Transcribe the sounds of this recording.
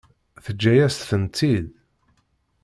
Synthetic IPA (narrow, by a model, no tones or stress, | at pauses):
θəd͡ʒːæjæst̪θənt̪ið